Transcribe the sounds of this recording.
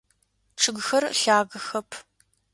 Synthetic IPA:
ʈ͡ʂʰɨɡxɐrɬaːɣɐxɐpʰ

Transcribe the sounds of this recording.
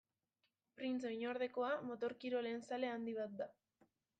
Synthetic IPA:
pɾinso̞jɲo̞ɾð̞e̞ko̞amo̞t̪o̞ɾkiɾo̞le̞ːnsale̞and̪iβ̞at̪̚d̪a

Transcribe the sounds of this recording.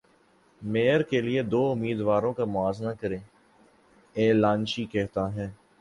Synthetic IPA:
meːəɾkelied̪oːʊmiːd̪ʋaːɾõkamʊaːznakɐɾẽː | eːlaːnʃikɛɦt̪aɦɛː

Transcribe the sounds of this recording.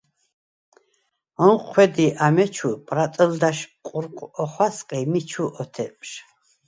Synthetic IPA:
ɔnqʰwɛd̪iʔamɛt͡ʃʰupʼɾat̪ʼəld̪aʃqʼuɾqʼɔχwasqʼimit͡ʃʰuʔɔt̪ʰɛpʼʃ

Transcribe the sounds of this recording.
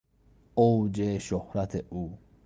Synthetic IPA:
owd͡ʒeʃohɾæt̪ʰeʔuː

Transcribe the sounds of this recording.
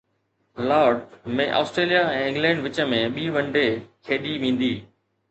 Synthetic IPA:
laːɾɖmẽʔa̰ːsʈɾeːlijaɛ̃ːɪ̃ŋɡlɛ̃ːɳɖʋɪt͡ɕə̆mẽɓiːʋɐ̃ɳɖekʰeːɗiʋĩːnd̪iː

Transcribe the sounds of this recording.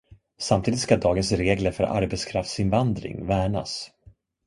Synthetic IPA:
samt̪ʰiːd̪ɪt̪skad̪ɑːɡənsɾeːɡləɾfœɾʔa̰ɾbɛt̪skʰɾaft̪sɪnvand̪ɾɪ̰ŋvæːɳa̰s

